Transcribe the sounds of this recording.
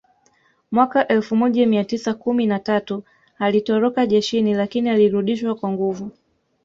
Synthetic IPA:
mwakaʔɛlfumɔʄamiatisakuminatatu | alitɔɾɔkaʄɛʃinilakinialiɾuɗiʃwakwaŋɡuvu

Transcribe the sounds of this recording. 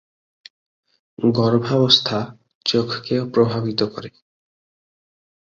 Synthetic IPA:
ɡɔɾbʱabost̪ʰa | t͡ɕt͡ʃokʰkeopɾobʱabit̪okɔ̰ɾe

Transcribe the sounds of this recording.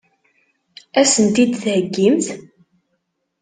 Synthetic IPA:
æsənt̪id̪θhəɡːimθ

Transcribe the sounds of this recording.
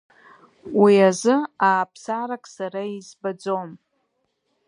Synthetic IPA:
wiazɨaːpʰsaɾakʼsaɾaizbad͡zom

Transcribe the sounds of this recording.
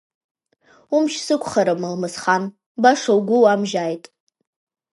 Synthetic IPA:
umʃsɨkʷʰʼχaɾamɨlmɨsχan | baʂawɡʷʊwamʒaːjtʼ

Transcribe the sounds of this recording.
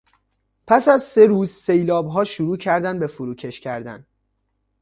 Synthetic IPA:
pʰæsæzse̞ɾuːzsejlɒːbɦɒːʃuɾuːcʰæɾd̪ænbe̞fuɾuːcʰe̞ʃcʲʰæɾd̪æ̰n

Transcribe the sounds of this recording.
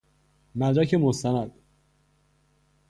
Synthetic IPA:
mæd̪ɾæcʰe̞most̪ʰænæd̪̥

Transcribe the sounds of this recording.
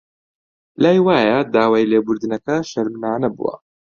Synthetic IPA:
laːjwaːjɐd̪aːwaːjleːbʊɾd̪ɨnɐkɐʃɐɾmnaːnɐbṵwɐ̰

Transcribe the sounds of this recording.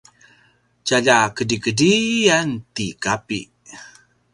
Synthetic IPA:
t͡ʃaʎakədikədiant̪ikapḭ

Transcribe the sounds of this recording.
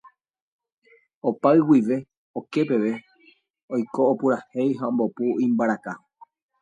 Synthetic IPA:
o̞paɨwiʋe̞ | o̞ke̞pe̞ʋe̞ | ojko̞ːpuɾahejɦaõmbo̞puĩmbaɾaka

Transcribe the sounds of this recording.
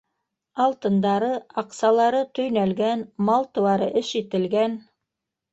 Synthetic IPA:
ɑlˠt̪ɤ̆nd̪ɑɾɤɑqsɑlˠɑɾɤt̪ɵ̆jnælɡænmɑlˠt̪ɤ̆wɑɾɤʔɘʃit̪ɘ̆lɡæn

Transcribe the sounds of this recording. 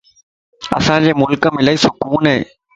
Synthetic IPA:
ɐ̰sãːɲd͡ʑeːmʊlkɐmɪlɐɪsʊkuːneː

